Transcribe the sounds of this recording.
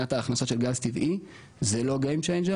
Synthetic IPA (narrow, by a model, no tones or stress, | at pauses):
at̪aːχnaso̞tʃe̞lɡalst̪ivi | zelo̞ɡejmt͡ʃejnd͡ʒe